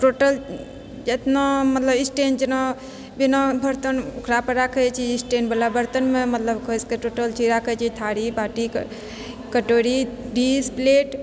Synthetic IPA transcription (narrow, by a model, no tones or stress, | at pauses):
ʈoʈəl | d͡ʒet̪namət̪ləbisʈend͡ʒena | binabʱəɾt̪ənukʰɾapəɾakʰɛt͡ʃʰiːsʈenbəlabəɾt̪ənmemət̪ləbkʰəskeʈoʈəlt͡ʃʰiɾakʰɛt͡ʃʰit̪ʰaɾibaʈik | kəʈoɾiɖispleʈ